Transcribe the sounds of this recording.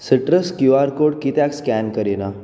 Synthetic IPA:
səʈɾəskjuaɾkoɽ̚kit̪jakskænkəɾina

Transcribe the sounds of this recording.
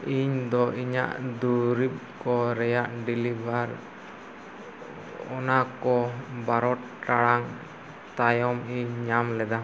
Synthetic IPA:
iɲd̪ɔiɲa̰ʔd̪uɾip̚kɔɾɛjaʔɖilibʱaɾ | ɔnakɔbaɾɔt̪̚ | ʈaɽaŋ | t̪ajɔmiɲːamlɛd̪a

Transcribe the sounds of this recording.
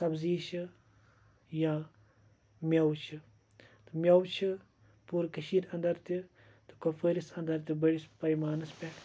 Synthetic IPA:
sɐbziːʃɨ | jãː | mjɐwt͡ʃʰi | t̪ɨmʲɐwt͡ʃʰi | puːɾkɐʃiːɾɐ̃nd̪ɐɾt̪ʲi | t̪ɨ̥kofəɾisɐnd̪ɐɾt̪ʲibɐɽispɐjmaːnɨspʲe

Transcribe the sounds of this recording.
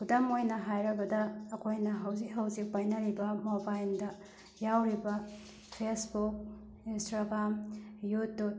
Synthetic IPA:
kʰudamojnɐɦajɾɐbɐdɐːkʰojnɐɦɐwzikɦɐwzik̚pajnɐɾibɐmobajldɐ | jawɾibɐ | pʰesbuk̚ | instɾaɡɾamjutːu

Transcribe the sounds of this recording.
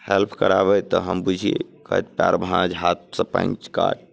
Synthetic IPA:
helpʰkəɾaβɛt̪ɔɦəmbud͡ʒʱiḛkəɦt̪pja̰ɾbʱãnd͡ʒɦat̪̚sə̃pã̰ĩt͡ʃka̰ʈ̚

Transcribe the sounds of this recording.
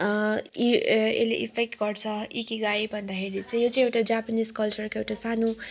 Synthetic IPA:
iḛleʔipʰek̚ʈɡʌrt͡sʰʌikiɡaibʱʌnd̪akʰeɾit͡sʰʌ̃jot͡sãĩewʈad͡zapaniskʌlt͡sʌrkoewʈasano

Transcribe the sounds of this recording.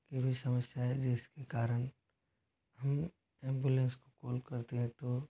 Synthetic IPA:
kebʱisɐməsjaɦɛd͡ʒɪskekaːɾəñ | ɦɐm | ɛ̃ːmbulẽːnskokoːlkɐɾt̪eɦɛ̃t̪o

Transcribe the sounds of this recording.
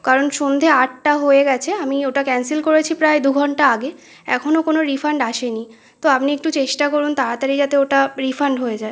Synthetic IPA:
kaɾonʃond̪ʱeaʈʈaɦoeɡɛt͡ɕʰeamioʈakɛnsilkoɾet͡ɕʰipɾaed̪uɡʱɔɳʈaaɡe | ɛ̰kʰonokonoɾifaɳɖaʃeni | t̪oapniek̚ʈut͡ɕeʃʈakoɾunt̪aɾat̪aɾid͡ʑat̪eoʈaɾifaɳɖɦoed͡ʑae

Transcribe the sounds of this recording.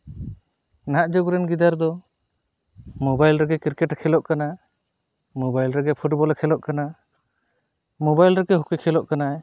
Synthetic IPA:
naʔd͡ʒoɡɾɛnɡid̪aɾd̪ɔ | mɔbajlɾɛɡɛkiɾkɛʈkʰɛlɔʔkana | mobajlɾɛɡɛpʰuʈbɔlakʰɛlɔʔkana | mobajlɾɛɡɛɦɔkikʰɛlɔʔkana

